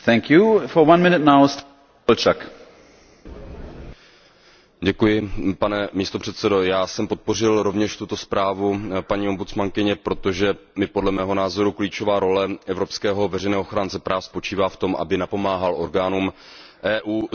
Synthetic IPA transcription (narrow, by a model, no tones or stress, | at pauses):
θɛ̃ŋkjufɔwãnmɪ̃nɪt̚naʊst | lt͡ʃak | ɟɛkujɪpanɛmiːst̪opr̝̥ɛt̪sɛdo̞jaːsɛmpo̞t̪̚po̞rɪlɾo̞vɲɛʃt̪ut̪o̞spɾaːvupaɲiːo̞mbut̪t͡smaŋkɪɲɛpɾo̞t̪oʒɛmɪpo̞dlɛmɛːɦo̞naːzo̞ɾukliːt͡ʃo̞vaːɾo̞lɛʔɛvɾo̞pskɛːɦo̞vɛrɛjnɛːɦooxɾaːnt͡sɛpɾaːfspo̞t͡ʃiːvaːft̪o̞mʔa̰bɪnapo̞maːɦalʔo̞ɾɡaːnuːmʔɛːʔuː